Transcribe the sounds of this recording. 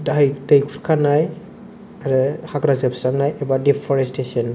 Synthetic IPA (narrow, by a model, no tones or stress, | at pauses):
dajdajkʰuɾkʰanaj | aɾɛhaɡɾazepsaŋnajʔɛbadipʰɔɾestesɔn